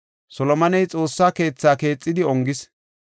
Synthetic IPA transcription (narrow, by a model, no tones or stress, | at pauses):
sɔlɔmɐnɛjt͡sʼo̞ːsːaːke̞ːt͡sːaːke̞ːt͡sʼːɪd̪ɪɔŋɡɪs